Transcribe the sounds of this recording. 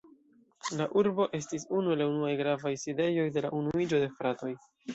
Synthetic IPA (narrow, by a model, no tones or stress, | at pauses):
laʔuɾbo̞ʔe̞s̬tisunuelaunuajɡɾavajside̞jo̞jde̞laʔunuid͡ʒo̞de̞fɾato̞j